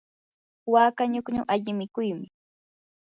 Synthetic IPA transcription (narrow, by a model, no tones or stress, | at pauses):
waːkaɲʊkɲʊŋʔaʎɪmɪkʊjmɪ